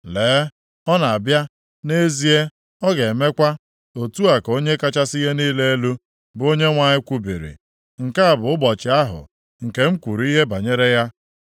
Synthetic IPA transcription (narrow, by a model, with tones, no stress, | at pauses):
leː˨˦ | ɔ˦na˨a˨bja˦ | ne˦zi˦e˦ | ɔ˦ɡe˨me˦kʷa˦ | o˨tu˦a˨ko˦ɲe˦ka˦t͡ʃa˦si˦ɦe˦niː˦le˦e˦lu˦ | bʊ˨˦o˦ɲe˦ŋʷa˨ɲɪ˦kʷu˦bi˨ɾḭ˨ | ŋ̩˨ka˦a˨bʊ˨ʊ˦bɔ˨t͡ʃɪ˨a˦ɦʊ̰˨ | ŋ̩˨ke˦m̩˦kʷu˨ɾi˦ɦe˦ba˨ɲe˦ɾe˦ja˦